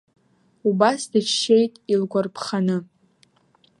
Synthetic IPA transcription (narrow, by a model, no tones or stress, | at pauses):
ubasdɨt͡ʃʰʃejtʼilɡʷarpʰχanɨ